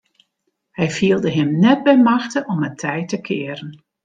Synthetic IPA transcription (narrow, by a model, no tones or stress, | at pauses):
hɛjfiəlˠdəɦɪmnɛd̚bɛjmaxtəʔɔmətʰɛjtəkʰɪəɾən